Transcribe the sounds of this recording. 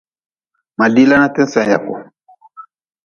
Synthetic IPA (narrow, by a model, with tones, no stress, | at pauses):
ma˨li˦la˦na˦tɛ˦n˦sã˨ja̰˨kɔ˨